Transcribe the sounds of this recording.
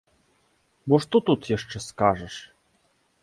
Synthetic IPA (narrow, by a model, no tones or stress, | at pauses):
bɔʂt̪ɔt̪ut̪jaʂt͡ʂɛskaʐɛʂ